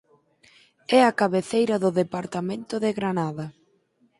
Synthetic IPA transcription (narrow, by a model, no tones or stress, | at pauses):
ɛakaβeθejɾɐðʊðepaɾt̪amẽnt̪ʊðeɣɾanaðɐ